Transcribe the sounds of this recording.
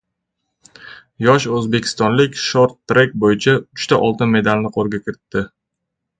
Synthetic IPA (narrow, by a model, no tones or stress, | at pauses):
jɒʃɵzbe̞kʲʰɪ̥st̪ɒnlɪkʲʃoɾt̪ːɾek̚ʲbojɪt͡ʃʰaʊt͡ʃt̪aʔɒlˠt̪ɪnme̞d̪alnɪqʰoɾɡʲakʲʰɪɾɪt̪ʰːɪ